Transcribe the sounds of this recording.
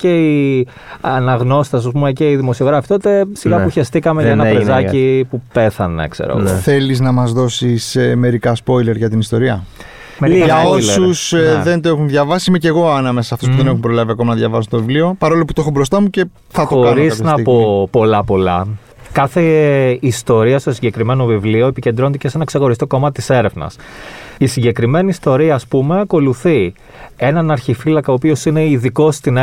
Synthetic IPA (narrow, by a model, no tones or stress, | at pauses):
cei | ɐnɐɣno̞st̪ɐs̬ɐs̬umeceiðimo̞sio̞ɣɾɐfi̥t̪o̞t̪e̞siɣɐpuçɐst̪ikɐmeʝɐenɐezzɐcipupe̞θɐnḛkse̞̰ɾɐ̰ɣoθe̞liznɐmɐzðo̞siseme̞ɾikɐspo̞jle̞ɾʝɐt̪inist̪o̞ɾiɐ | mʝɐosusðe̞nt̪oe̞xunðʝɐvɐsiimeceɣo̞ɐnɐmesɐsɐft̪ospuðe̞ne̞xumpɾo̞lɐviɐko̞mɐnɐðʝɐvɐsunt̪ovivlio̞pɐɾo̞lo̞put̪oexobɾo̞st̪ɐmuce̞ | θɐt̪ooɾiznɐpo̞po̞lɐpo̞lɐ̰ | kɐθeist̪o̞ɾiɐst̪o̞siɲɟe̞kɾime̞no̞vivlio̞epiced̪ɾont̪ecese̞nɐksexo̞ɾist̪o̞ko̞mɐt̪it̪ise̞ɾe̞vnɐ̰sisiɲɟe̞kɾime̞niːst̪o̞ɾiɐːspume̞ɐko̞luθi | e̞nɐnɐɾçifilɐkɐoːpio̞sineiðiko̞st̪in